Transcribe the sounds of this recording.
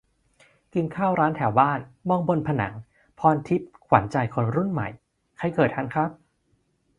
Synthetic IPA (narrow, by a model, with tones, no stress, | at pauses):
ki˧nkʰaː˥˩wɾaː˦˥nt̪ʰɛː˩˦wbaː˥˩nmɔ˧ŋbo˧npʰa˧na̰˩˦ŋ | pʰɔː˧nt̪ʰi˦˥p̚kʰwa̰˩˦nt͡ɕa˧jkʰo˧nɾu˥˩nma̰˨˩j | kʰa˧˩jkɤː˨˩t̪̚hʰa˧˥nkʰɾa˦˥p̚